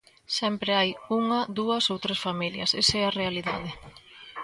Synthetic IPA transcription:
sɛmpɾeajuŋɐðuɐsowt̪ɾesfamiljɐ̰sesɛɐrealiðað̞ɪ

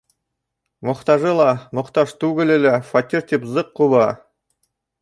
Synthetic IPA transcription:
mŏχt̪ɑʒɤlˠɑmŏχt̪ɑʃt̪ʉɡɘ̆lɘ̆læfat̪ʲiɾt̪ipzɤqːulˠɑ

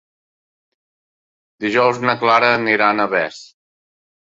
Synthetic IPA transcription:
d̪iʒɔwznəklaɾəniɾanəβɛs

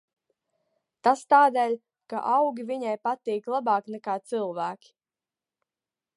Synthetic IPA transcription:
t̪ast̪aːd̪ɛːlʲ | ka̰ʔawɡʲiviɲajpat̪iːklˠabɑːknɛkaːt̪sɨlˠvæːkʲi̥

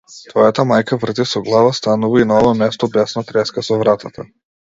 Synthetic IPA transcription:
t̪vɔjat̪amajkavr̩t̪isɔɡlˠavast̪anuvainaɔvamɛst̪ɔbɛsnat̪ɾɛskasɔvɾat̪at̪ʰa

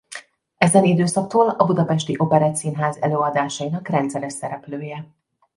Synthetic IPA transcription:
ɛzɛnid̪øːsɒk̚t̪oːlɒbud̪ɒpɛʃt̪iʔo̞pɛɾɛt̪siːnɦaːzɛløːɒd̪aːʃɒjinɒkrɛnt̪sɛɾɛʃɛɾɛpløːjɛ

